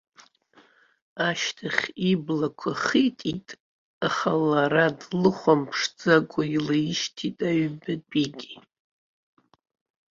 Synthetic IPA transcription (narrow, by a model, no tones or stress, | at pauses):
aʃtʰaχʲiblakʷʰaχitʼitʼ | aχalaɾadlɨχʷampʰʂd͡zakʷʼailajʃtʰitʼaɥbɨdiɡʲi